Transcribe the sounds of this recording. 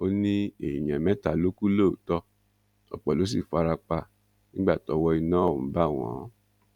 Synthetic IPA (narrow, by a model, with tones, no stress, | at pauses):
o˦nĩ˦e˨i˨j̃ɛ̃˨mɛ̃˦ta˨lo˦ku˦lo˦o˨tɔ˧ | ɔ̰˨k͡pɔ˨lo˨˦s̬i˦˨fa˧ɾa˧k͡pa˧ | nĩ˦ɡ͡ba˦˨tɔ˧wɔ˧i˧nãː˦˨ũ˨˦ba˦˨w̃ɔ̰̃˨˦